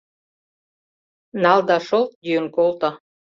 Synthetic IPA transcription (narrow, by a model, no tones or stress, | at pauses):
nɑld̪ɑʃolt̪̚dyənkolt̪ɑ̆